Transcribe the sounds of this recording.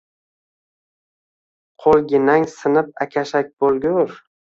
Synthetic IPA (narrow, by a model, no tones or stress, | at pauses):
qʰolˠɡʲɪnaŋsɪnɪp̚akʲʰaʃak̚ʲbolˠɡʲʊɾ